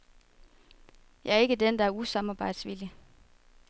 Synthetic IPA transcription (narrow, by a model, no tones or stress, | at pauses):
jɑ̈æɐe̝ɡ̥əd̥end̥ɑ̈æɐusɑ̈mɑb̥ɑ̈ɪ̰d̥sʋili